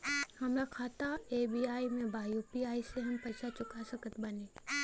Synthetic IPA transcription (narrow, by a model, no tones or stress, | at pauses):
hɐmɾakʰaːt̪aeːbiːaːimẽbʱaːjupiaːiseɦɐmpɐʃat͡ʃʊkasɐkət̪bɐneː